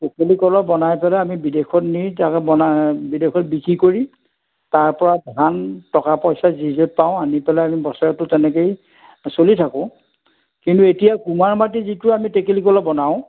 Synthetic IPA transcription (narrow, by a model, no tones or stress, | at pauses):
tekelikɔlɔbɔnajpɛlɛamibidexʰɔtnitakbɔnabidexʰɔt̚bikʰɹikoɹi | taɹpɔɹabɦantɔkapɔjsazizɛp̚paʊ̃anipɛlaamibɔsɔɔtʊtɛnɛkej | solitʰakʊ̃ | kintuetijakumaɹmatizitʊamitekelikɔlɔbɔnaʊ̃